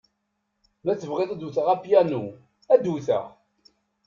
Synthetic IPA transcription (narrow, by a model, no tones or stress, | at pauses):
mæt͡sːəvʁeðˤd̪uθəʁæpjænu | æd̪uθə̰ʁ